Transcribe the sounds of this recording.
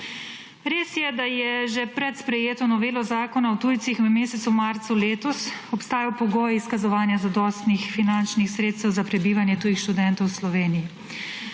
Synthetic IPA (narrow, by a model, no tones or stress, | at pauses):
ɾeːsjɛd̪ajɛʒɛpɾɛt̪spɾɛjeːt̪ɔnɔʋeːlɔzaːkɔnawt̪uːjt̪sixɛmeːsɛt̪sumaːɾt̪suleːt̪ɔsɔpst̪aːjawpɔɡoːjiskazɔʋaːnjazad̪ɔst̪nixfinant͡ʃnixsɾeːt̪st̪ɛwzapɾɛbiːʋanjɛt̪uːjixʃt̪ud̪ɛnt̪ɔwslɔʋeːniji